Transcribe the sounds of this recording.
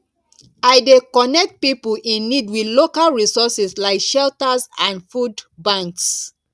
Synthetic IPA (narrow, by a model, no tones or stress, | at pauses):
aɪdekɔnɛk̚t̚pipulʔĩnːidwidlokalɹisɔsɛslaɪkʃɛltasãndfudbãŋks